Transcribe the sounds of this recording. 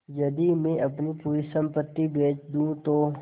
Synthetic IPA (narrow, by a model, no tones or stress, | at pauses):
jɐd̪imẽʔɐpnipuːɾisə̃mpət̪ːibeːt͡ʃd̪ũːt̪oː